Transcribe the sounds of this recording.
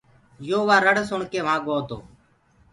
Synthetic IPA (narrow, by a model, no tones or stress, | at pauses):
joːʋaːɾəɽsʊɳkeːʋ̤ãːɠoːt̪o̰ː